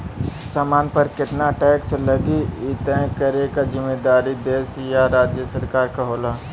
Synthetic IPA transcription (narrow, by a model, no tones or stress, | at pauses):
saːmaːnpɐɾkɪt̪naʈɛːkslɐɡiɪt̪ɛ̃kəɾekad͡ʒɪmːeːd̪aːɾid̪eːsjaɾaːd͡ʒjəsəɾkaːɾkaɦoːlaː